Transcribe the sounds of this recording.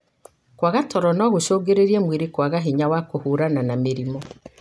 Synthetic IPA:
kwaɣatɔɾɔnɔɣoʃoːɡeɾeɾiemweɾekwaɣaɦiɲawakohuɾananameɾimɔ

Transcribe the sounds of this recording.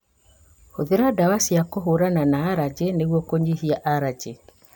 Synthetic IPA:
hoðeɾadawasiakoɦoɾananaːɾad͡ʒeneɣwɔkoɲihiaʔaɾad͡ʒe

